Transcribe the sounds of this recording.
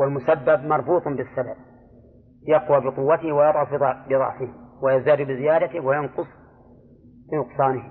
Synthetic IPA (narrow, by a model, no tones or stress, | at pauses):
walmʊsabːab̚mɑɾˤbuːt̪ˤbɪsːabab̚ | jɑqwabɪqʊwːat̪ɪhwajɑd̪ˤʕʊfid̪ˤɑbɪɾˤɑ̰ʕfɪhwajazaːd̪ubɪzɪjaːd̪at̪ɪwajɑnqʊsˤ | finʊqsˤɑːnɪh